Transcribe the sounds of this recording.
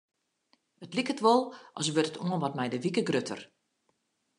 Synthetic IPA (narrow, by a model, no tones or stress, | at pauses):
ətlikətʋɔlˠʔɔ̰sʋøtətʰuənʋɔtmɛjdəʋikəɡrøtʰə̰r